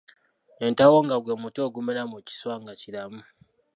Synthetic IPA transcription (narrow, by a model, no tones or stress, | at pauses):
entawoŋɡaɡwemutoɡumeɾamuci̥swaŋɡacilamu